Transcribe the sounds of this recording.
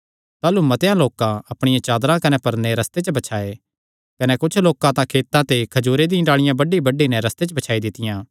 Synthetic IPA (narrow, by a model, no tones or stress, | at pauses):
t̪aːlumɐt̪ejãloːkãɐpɽ̃ɪjãt͡ʃaːd̪ɾãkɐnɛpɐɾneɾɐst̪et͡ʃəbɐt͡ʃʰaːe | kɐnɛkʊt͡ʃʰloːkãt̪ãkʰeːt̪ãt̪ekʰɐd͡ʒuːɾed̪ĩːɖaːɭɪjãbɐɖibɐɖːinɛɾɐst̪et͡ʃəbɐt͡ʃʰaːid̪ɪt̪ɪjãː